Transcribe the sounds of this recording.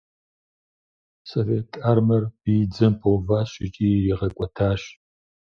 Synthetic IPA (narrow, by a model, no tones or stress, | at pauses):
soveːtʰʼaːrmɐrb̥iːd͡zɐmpʰoːvaːɕʼɪt͡ʃʼiːiʁɐkʷʼɔtʰaːɕ